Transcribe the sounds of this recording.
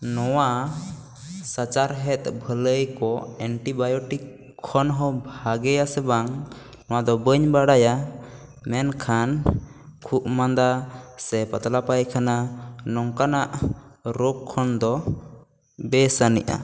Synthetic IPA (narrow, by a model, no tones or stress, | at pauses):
nɔwa | sat͡ʃaɾɦɛt̪̚bʱələjkɔɛɳʈibajɔʈikʰː | ɔnɦɔbʱaɡɛjasɛbaŋ | nɔwad̪ɔbəɲbaɽaja | mɛnkʰankʰuʔmand̪asɛpat̪lapajkʰananɔŋkanaʔɾokʰːɔnd̪ɔ | bɛsanḭʔa̰